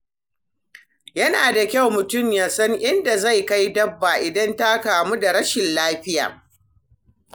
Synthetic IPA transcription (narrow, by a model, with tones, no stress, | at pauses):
jɐ˦naː˨da˨kʲa˦˨wmʊ˨tʊ˦˨mjaː˨sɐ˦ŋʔɪ˦nda˨za˦˨jka˦jdɐ˦bːa˨ʔɪ˨dɐ˦nta˦kaː˨mu˦da˨ɽɐ˦ʃɪ˨nlaː˦ɸɪ˦ja̰ː˨